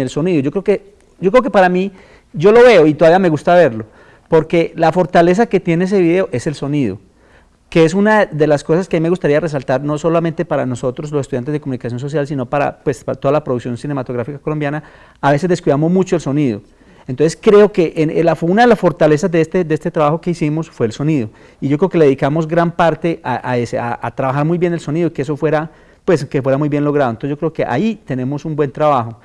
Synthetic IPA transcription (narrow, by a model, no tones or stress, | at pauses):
elso̞niðoʝo̞kɾe̞oke | d͡ʒokɾeokepaɾami | d͡ʒo̞lo̞βe̞oit̪oaβiame̞ɣust̪aβe̞ɾlo | po̞ɾke̞lafo̞ɾt̪ale̞s̬aket̪je̞nees̬e̞βiðe̞oʔe̞se̞lso̞niðo | keesunad̪e̞lasko̞saskeamimeɣust̪aɾiare̞s̬alt̪aɾno̞so̞lament̪e̞paɾano̞so̞t̪ɾozlosest̪uðjant̪eðdekomunikasjons̬o̞s̬jalsino̞paɾa̰pwe̞spat̪o̞ðalapɾoðuksjo̞nsine̞mat̪oɣɾafikakolo̞mbjana | aβe̞sezd̪e̞skwuiðamozmut͡ʃoelso̞niðo | ent̪onseskɾe̞okeʔenelafunaðelasfo̞ɾt̪ale̞sazd̪eest̪ed̪eest̪et̪ɾaβaxo̞ke̞isimo̞sfwe̞ːlso̞niðo | iʝo̞kɾe̞okeleeikamo̞zɡɾampaɾt̪e̞ʔaʔaeseaat̪ɾaβaxaɾmujβbje̞nelso̞niðoikeeso̞fwe̞ɾa | pwe̞skefwe̞ɾamujbje̞nlo̞ɣɾaðont̪oseʝoɾeokeʔa̰it̪e̞ne̞mo̞sumbwe̞nt̪ɾaβaxo